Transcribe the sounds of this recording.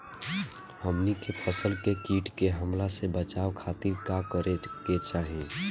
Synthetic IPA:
həmnikepʰəsəlkekiːʈkeɦəmlasebət͡ʃaːʋkʰat̪iɾkakəɾeket͡ʃaːɦi

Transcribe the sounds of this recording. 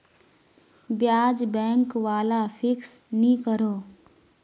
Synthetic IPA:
bjaːd͡ʒbɛ̃ːŋkʋaːlafʰɪksnĩkəɾoː

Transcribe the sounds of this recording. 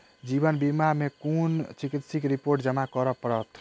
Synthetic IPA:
d͡ʒibənbimamekont͡ʃikit̪sikɾipoɾʈ̚d͡ʒəmakəɾəpəɾət̪ʰ

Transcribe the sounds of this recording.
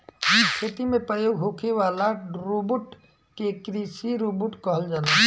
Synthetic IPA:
ikʰet̪imẽpɾəjoːɡɦokʰeʋaːlaɾubuʈ | kekɾisiɾubuʈkəɦəld͡ʒaːna

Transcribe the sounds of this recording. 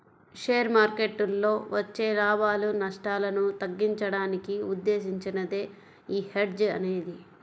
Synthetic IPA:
ʂeːɾmaːɾke̞ʈːulːo̞ːʋɐt͡ʃːe̞ːlaːbaːlunɐʂʈaːlɐnut̪ɐɡːiɲt͡ʃɐɽaːnikiud̪ːe̞ːʃiɲt͡ʃinɐd̪e̞ː | iːheɖd͡ʒɐ̰neːd̪i

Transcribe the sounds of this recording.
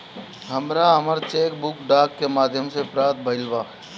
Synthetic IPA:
ɦəmɾaɦɐməɾt͡ʃeːkbʊkɖaːkːemaːd̪ʱjəmsepɾaːt̪̚bʱəɪlʋaː

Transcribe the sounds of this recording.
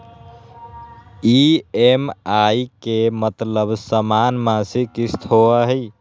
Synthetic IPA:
iemajkemət̪ləbsəmanmãsikist̪ʰɦoəɦəj

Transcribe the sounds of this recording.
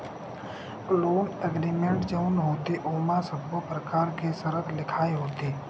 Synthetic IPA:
loːnəɡɾiːmẽɳʈd͡ʒəʊnɦoːt̪eʔoːmãsəbʱːopɾəkaːɾkʰesəɾət̪lɪkʰaːeɦoːt̪eː

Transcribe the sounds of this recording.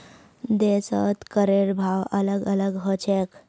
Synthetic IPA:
d̪esət̪kəɾeɾbʱawələɡələɡɦət͡ʃʰek

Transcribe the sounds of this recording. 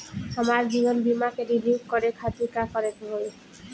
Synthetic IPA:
amaɹbiɡɔnbimakeɾilipkɔɾekʰat̪ikakɔɾet̪ɦoj

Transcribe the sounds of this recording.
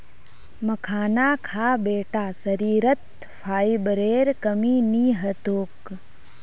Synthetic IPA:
mɐkʰaːnaːkʰaːbeːʈaːsɐɾiːɾət̪ | pʰaːibəɾeːɾkɐmiːniːɦɐt̪oːk

